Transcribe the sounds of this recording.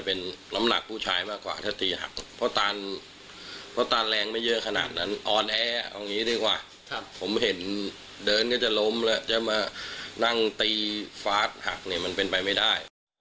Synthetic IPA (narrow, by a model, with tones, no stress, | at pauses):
pe˧nna˦˥mna̰˨˩k̚pʰuː˥˩t͡ɕʰaː˧jmaː˥˩kːwa̰ː˨˩t̪ʰaː˥˩t̪iː˧ɦa̰˨˩k̚pʰɔ˦˥t̪aː˧n | pʰɔ˦˥t̪aː˧nlɛː˧ŋma˥˩jːɤ˦˥kʰa˧na̰ː˨˩t̪̚na˦˥nʔɔː˧nʔɛː˧˥ʔa̰˧wŋiː˦˥di˥˩kwaː˨˩ | kʰa˦˥˩pʰːo˩˦mɦe˩˦n | dɤː˧nkɔː˥˩t͡ɕa˨˩lo˦˥mlɛ˦˥t͡ɕa˨˩maː˧na˥˩ŋt̪iː˧faː˦˥t̪̚ha̰˨˩k̚ni˧˩ma˧npe˧npa˧jma˥˩jdaː˥˩j